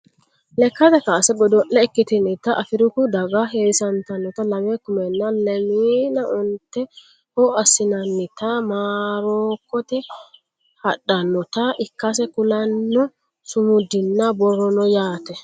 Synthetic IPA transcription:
lɛkːɐt̪ɛkaːsɛbɔd̪ɔʔːɛɛkːɪt̪ɪnɪt̪ːɐʔɐfɪɾʊkʊd̪ɐɡaɦeːsɐnt̪ɐnːɔt̪ɐlɐmekʊmɛnːɐlɛmiːnɐʔʊnt̪ːɛ | hɔɐsɪnɐnːɪt̪amaːɾoːkːɔt̪ɛ | hɐɗːɐnːɔt̪ɐʔɪkːɐs̬ɛkʊlɐnːɔ | sʊmʊd̪ɪnːɐbɔɾɔnɔjaːt̪ɛ

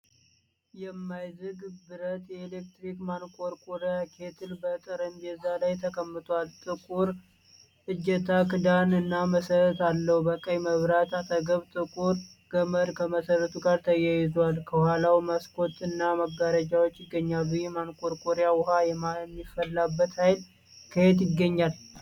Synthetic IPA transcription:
jɛmːajzɨɡbɨɾət̪jɛelek̚t̪ɾikmankʼo̞ɾkʼoɾjakʰe̞t̪ʰɨlbət̪ʼɨɾɨmjɛzalajt̪ʰəkʰəmːɨt̪ʰʼalt̪ʼɨkʼuɾ | ʔɨd͡ʒːɛt̪ʰakɨd̪anɨnːaməsəɾət̪alːəhubəkʼəjməβɾat̪at̪ʰəɡəβt̪ʼɨkʼuɾɡ̥əməɾkʰəməsəɾət̪ʰuɡaɾt̪ʰəjajɪzalkʰəwhalawmaskʰo̞t̪ʼɨnːamaɡːaɾəd͡ʒawot͡ʃːjɪɡːəɲːalujɛmankʼo̞ɾkʼoɾjawʊɦajɛmamːifːəlːabːət̪hajl | kʰəet̪jɪɡːəɲːal

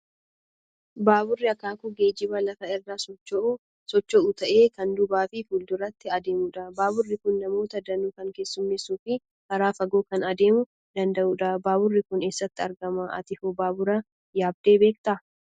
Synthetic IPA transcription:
baːbʊrːɪɐkaːkʊɡeːd͡ʒɪbɐlɐfɐɪrːaːsɔt͡ʃːɔʔu | sɔt͡ʃːɔʔut̪ɐʔe̞ːkɐnd̪ʊbaːfɪfuːld̪ʊɾɐt̪ːɪɐd̪e̞ːmʊᶑɐbaːbʊrːɪkʊnːɐmo̞ːt̪ɐd̪ɐnuːkɐŋke̞ːsːʊmːɪsːuːfɪ | kɐɾaːfɐɡoːkɐnɐd̪e̞ːmʊ | d̪̥ɐnd̪ɐʔuːᶑɐbaːbʊrːɪkʊne̞ːsːɐt̪ːɪɐɾɡɐmɐɐ̰t̪ɪfʊbaːbʊɾɐ | jaːb̚d̪e̞ːbe̞ːk̚t̪ɐ

